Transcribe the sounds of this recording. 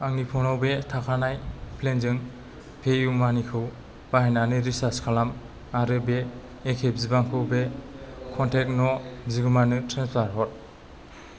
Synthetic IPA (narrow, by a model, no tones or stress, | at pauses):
aŋnipʰɔnɔwbetʰakʰanajpʰlenzɯŋ | pʰejumanikʰɯw | b̥ahenanɯɾisaskʰalam | aɾɯbeː | kʰebzibaŋkʰɯwbekʰɔntʰek̚nɔziɡɯmanɯtʰɾenspʰaɾɦɔt̚